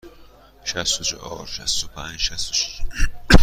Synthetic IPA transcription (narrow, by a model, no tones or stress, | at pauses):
ʃæst̪ot͡ʃʰo̰hɒ̰ːɾʃæ̰st̪opʰænd͡ʒʃæst̪oʃi̥ʃ